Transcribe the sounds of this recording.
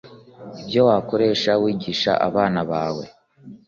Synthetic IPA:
ibjowaːko̞ɾe̞ːʃawiːɟiːʃa̰ʔa̰βaːnaβaːwe̞̰

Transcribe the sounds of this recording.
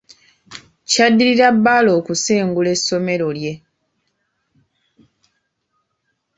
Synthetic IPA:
cadːiɾiɾabːalo̞ːkuseːŋɡule̞sːo̞me̞ɾo̞lje̞

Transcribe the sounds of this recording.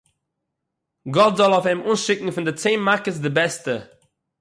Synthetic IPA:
ɡɔtzɔlˠɔfɪmuːnʃɪkŋ̩fɪndɪt͡seːnmakəs̬dɪbɛstə

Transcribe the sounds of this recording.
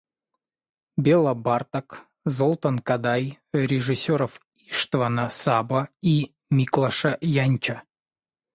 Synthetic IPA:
bʲelˠɐbart̪ɐk | zolˠt̪ɐnkad̪aj | ɾʲɪʐɨsʲoɾəf | iʂt̪vanɐsabɐi | mʲiklˠɐʂɐjanʲt͡ɕɐ

